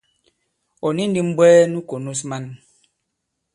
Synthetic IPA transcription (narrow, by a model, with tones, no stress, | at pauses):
ɔ˨ni˦n˦di˦m̩˦bwɛː˦nu˦ko˨nu˦sma˦˨n